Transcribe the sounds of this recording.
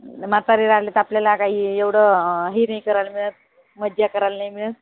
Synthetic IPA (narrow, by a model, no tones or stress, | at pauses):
mat͡saɾiɾalet̪apljalakaɦiːeʋɽ̤əɦiːnajkəɾalmiɭət̪̚ | məd̪jakəɾalnajmiɭət̪